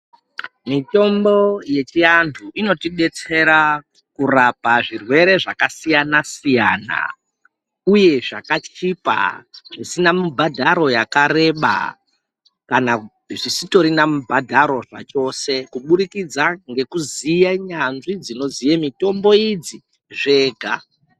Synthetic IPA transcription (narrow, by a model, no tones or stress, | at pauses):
mito̞mbo̞je̞t͡ʃijantʰuʔino̞tiɓe̞t͡se̞ɾa | kurapaʐirwe̞ɾe̞ʐakasijanasijaːna̰ | uje̞ʐakat͡ʃipa̰ʐ̥isinamubʱadʱaɾo̞jakaɾe̞ɓa̰ | kana | ʐisito̞ɾinamubʱadʱaɾo̞ʐa̰t͡ʃo̞ːse̞kuɓuɾikid͡zaŋɡe̞kuzijaɲanʐid͡zino̞zijemito̞mbo̞id͡zi | ʐe̞ːɡʱa